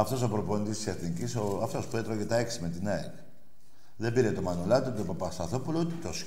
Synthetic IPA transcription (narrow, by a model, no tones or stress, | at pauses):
ɐft̪o̞s̬opɾoponit̪ist̪i̥seθnicisoɐft̪ospuet̪ɾoʝet̪ɐeksimet̪inɐḭ | ðebiɾet̪o̞mɐnolɐt̪it̪opopɐst̪ɐθopulout̪it̪os